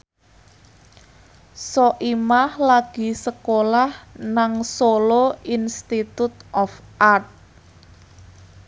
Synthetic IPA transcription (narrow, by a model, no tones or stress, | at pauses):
sɔʔimahlaɡ̥i̤səkolahnaŋsoloinst̪it̪ut̪̚ʔɔfʔart̪̚